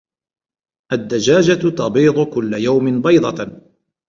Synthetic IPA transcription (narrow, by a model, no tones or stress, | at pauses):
ʔad̪ːad͡ʒaːd͡ʒat̪ɑbiːd̪ˤʊkʊlːajawmɪnbɑjd̪ˤɑ